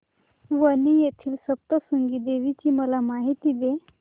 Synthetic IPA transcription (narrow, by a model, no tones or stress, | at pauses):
ʋənijet̪ʰiːlsəb̚t̪əsəŋɡiːd̪eʋit͡ɕiːməlamaɦit̪iːd̪e